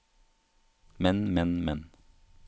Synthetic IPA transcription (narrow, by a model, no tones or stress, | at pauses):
mɛnmɛnmɛn